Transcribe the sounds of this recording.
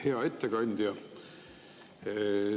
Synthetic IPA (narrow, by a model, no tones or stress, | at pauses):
heɑet̪ːekɑnʲd̪̥jɑ